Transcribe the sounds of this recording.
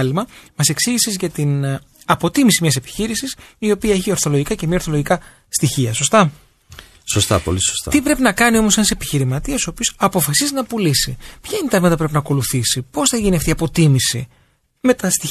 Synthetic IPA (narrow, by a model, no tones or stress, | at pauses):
limɐmɐse̞ksiʝisezʝɐt̪in | ɐpo̞t̪imisimɲɐse̞pi̥çiɾisisio̞piɐe̞çio̞ɾθo̞loʝikɐcemiɐo̞ɾθo̞loʝikɐ | st̪içiɐso̞st̪ɐ | sost̪ɐ̰poliso̥st̪ɐ̰t̪ipɾe̞pinɐkɐnio̞mose̞nɐse̞piçiɾimɐt̪iɐsoopiosɐpo̞fɐsiznɐpulisḭpçɐint̪ɐɾmet̪ɐpɾe̞p̬inɐːko̞luθisipo̞sθɐʝiniɐft̪iɐpo̞t̪imisḭ | me̞t̪ɐst̪i